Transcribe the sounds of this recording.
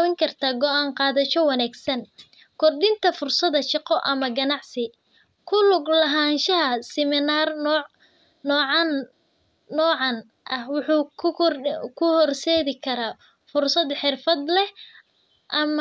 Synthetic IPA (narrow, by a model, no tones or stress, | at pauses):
wɪŋkʰɐrt̪ʰaːɡɔʔaːɴqɑːðɐʃɔwɑnaːɡsɐn | kʰɔrɗɪnt̪ʰɐfʊrsɐðɐʃɑqɔʔɐmɐɡɐnɑʕsɪ | kʰʊlʊɡlɐɦaːnʃɐɦɐsɛmɪnaːrnː | nɔːʕɑnː | ɔːʕɑn | ʔɐhwʊħuː | kʰʊhɔrsɛːðɪkʰɐɾaː | fʊrsɐd̪ħɪrfɐd̪lɛh | ʔɐm